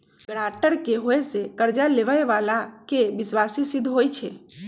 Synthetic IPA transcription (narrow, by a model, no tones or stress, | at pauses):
ɡɽ̃aʈəɾkeɦoesekəɾd͡ʒaleʋəeʋalakeʋɪsʋasisɪd̪ʱɦojt͡ʃʰe